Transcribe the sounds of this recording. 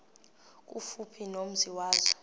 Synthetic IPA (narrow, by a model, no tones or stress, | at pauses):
k̬ʼṵfupʰinom̩ziwaːzɔ